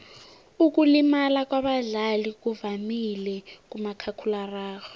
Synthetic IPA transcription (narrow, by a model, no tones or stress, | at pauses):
uk̬ʼulimalak̬ʼwaɓaɮalik̬ʼuvamilɛk̬ʼumakʰakʰularaːɣɔ